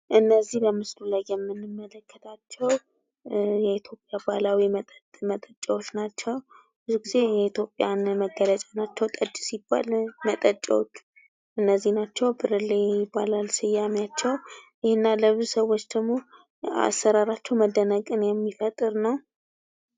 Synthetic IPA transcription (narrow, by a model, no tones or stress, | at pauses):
ʔɨnːəzːihləmɨslulajːɛmːɨnːɨmːələkʰːət̪ʰat͡ʃːɛw | jɛit̪ʰjo̞pʼjabalawimət̪ʼmət̪ʼət͡ʃʼəwot͡ʃːnat͡ʃːɛw | b̥ɨzuɡize̞jɛit̪ʰjo̞pʼjanməɡːələt͡ʃʼanat͡ʃːɛwt̪ʼət͡ʃʼːsibːa̰lmət̪ʼət͡ʃʼɛ̰wot͡ʃː | ʔɨnːəzːihnat͡ʃːɛwbɨɾɨlːejɪbalalsɨjːamat͡ʃːɛwʔɪhɪnːaləβɨzusəwo̞t͡ʃːd̪əɡmo̞ | a̰sːəɾaɾat͡ʃːɛwməd̪ənəkʼɨnjɛmːifət̪ʼɨɾnəw